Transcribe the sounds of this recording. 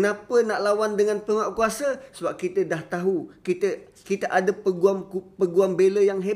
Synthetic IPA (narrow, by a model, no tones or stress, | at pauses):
napənaʔlawandəŋanpəŋaʔkuasəsəbap̚kit̪ədaht̪aɦukit̪ə | kit̪əʔadəpəɡuamupəɡuambeləjaŋɦe